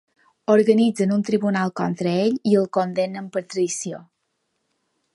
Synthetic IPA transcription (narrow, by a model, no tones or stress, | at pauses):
oɾɣənid͡zənunt̪ɾiβunalˠkɔnt̪ɾəeʎiəlˠkond̪enəmpəɾt̪ɾəðisio